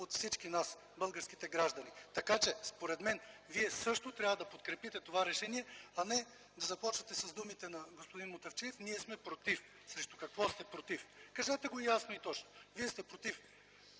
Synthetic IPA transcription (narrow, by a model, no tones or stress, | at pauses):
ot̪fsit͡ʃkinas | bɤlˠɡəɾsk̟it̪ɛɡɾaʒd̪ɐnit̪ɐkat͡ʃɛspoɾɛd̪mɛnviɛsɤʃt̪ot̪ɾʲjavəd̪ɐpot̪̚kɾɛpit̪ɛt̪ovaɾɛʃɛniɛɐnɛ | d̪ɐzɐpɔt͡ʃvɐt̪ɛsɐzd̪umit̪ɛnɐɡospod̪inmot̪ɐft͡ʃɛɛfniɛsmɛpɾot̪if | sɾɛʃt̪u̥kɐkvɔst̪ɛpɾot̪ifkɐʒat̪ɛɡoijasnoit̪ɔt͡ʃno̥viɛst̪ɛpɾot̪if